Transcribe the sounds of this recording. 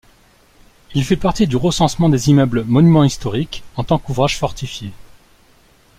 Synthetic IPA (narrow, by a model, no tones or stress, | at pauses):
ilfɛpaʁt̪id̪yʁəsɑ̃smɑ̃d̪ezimœblmɔnymɑ̃ist̪ɔʁikɑ̃t̪ɑ̃kuvʁaʒ̥fɔʁt̪ʰifje